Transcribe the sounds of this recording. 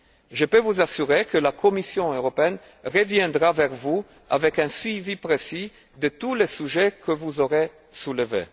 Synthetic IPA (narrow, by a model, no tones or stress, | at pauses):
ʒəpøvuzasyʁekəlakʰɔmisjɔ̃øʁɔpeɛn | ʁəvjɛ̃d̪ʁavɛʁvu | a̰vɛkɛ̃sɥivipʁesi | d̪ət̪ulesyʒekʰəvuzoʁe | suləvḛ